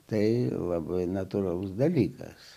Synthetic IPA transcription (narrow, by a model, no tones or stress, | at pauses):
t̪ɐɪlˠɐbɐɪnɐt̪uɾɐlˠʊsd̪ɐlʲiːkɐ̰s